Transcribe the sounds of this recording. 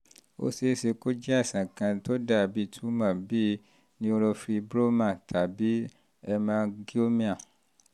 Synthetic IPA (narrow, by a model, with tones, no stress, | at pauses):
o̰˦se˦se˧ko˦d͡ʒɛ˦a˦˨sã˨kã˧to˦da˦˨bi˧˦tʰu˦mã˦˨bi˦ | nĩ˦o˧ɾɔ˧fɾi˧bɾo˦mã˦˨tʰa˨bi˨˦ | ɛ˧mãː˦˧ɡi˦o˦mĩ˦ã˦˨